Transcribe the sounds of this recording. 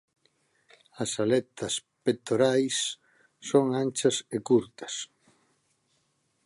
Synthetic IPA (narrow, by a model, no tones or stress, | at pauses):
ɐsalɛt̪ʰɐs | pet̪oɾajsː | oŋant͡ʃɐsekuɾt̪ɐ̥s